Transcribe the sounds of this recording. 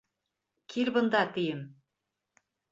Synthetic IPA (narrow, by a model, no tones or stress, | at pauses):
kʲʰilbɤ̆nd̪ɑt̪ijɘm